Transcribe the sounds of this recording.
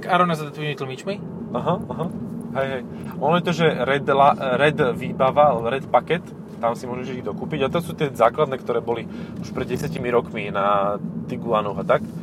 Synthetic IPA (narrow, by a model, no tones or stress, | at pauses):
kaɾɔnazad̪at̪ʋimit̪l̩mit͡ʃmi | aɦaaɦaɦɛjɦɛj | ʔɔnɔjɛt̪ɔʒɛɾɛd̪laɾɛd̪ʋiːbaʋaalɛbɔɾɛt̪pakɛt̪ː | amsimʊɔʒɛʒɛid̪ɔkuːpiɟat̪ɔasuːt̪ɪɛzaːklad̪nɛːkt̪ɔɾɛːbɔli | uʃpɾɛd̪ɟɛsjacimiɾɔkminat̪iɡulanɔɣat̪ak